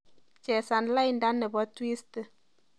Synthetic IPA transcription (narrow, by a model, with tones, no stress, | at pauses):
t͡ʃɛ˨sa˨nla˦jnda˦nɛ˨bɔ˦twi˦st